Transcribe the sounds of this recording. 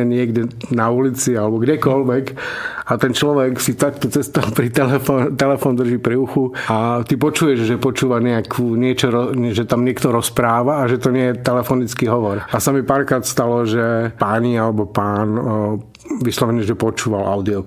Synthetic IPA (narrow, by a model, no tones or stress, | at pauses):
ɛɲɪɛɡdɛnaulit͡sialɛbɔɡdɛkɔlʋɛkat̪ɛnt͡ʃlɔʋɛksit̪akt̪ɔt͡sɛst̪alpɾit̪ɛlɛfɔnt̪ɛlɛfɔnd̪r̩ʒiːpɾiuxuat̪ipɔt͡ʃuːjɛʒʒɛpɔt͡ʃuːʋaɲɛakʰuːɲɪɛt͡ʃɔɾɔʒɛt̪amɲɪɛkt̪ɔɾɔspɾaːʋaːʒɛt̪ɔɲɪɛjɛt̪ɛlɛfɔnit͡skiɦɔʋɔɾasamipaːɾkɾaːt̪st̪alɔʒɛpaːɲialɛbɔpaːn | ʋislɔʋɛɲɛʒɛpɔt͡ʃuːʋalʔa̰ʊd̪iɔ